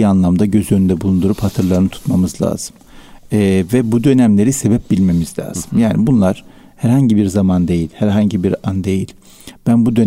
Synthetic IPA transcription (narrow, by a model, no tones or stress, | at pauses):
ianlˠamd̪aɟø̞zø̞nynd̪ɛbulˠund̪uɾuphat̪ʰɯɾlˠaɾɯnɯt̪ʰu̥t̪mamɯzlˠa̰ːz̥ɯmɛvɛbud̪ø̞næmlʲe̞ɾise̞bɛp̚bilʲme̞mizlʲa̰ːz̥ɯmjaːnibunlˠaɾ̥ | hæɾhaɲɟibiɾzamand̪e̞jilʲhæɾɦaɲɟibiɾand̪e̞jilʲ | b̥ænbud̪ø̞n